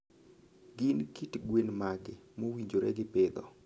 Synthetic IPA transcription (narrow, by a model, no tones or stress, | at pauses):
ɡɪnkitɡwenmaɡɪmowiɲd͡ʒoɾɛ̰ɡɪpɪd̪ɔ̰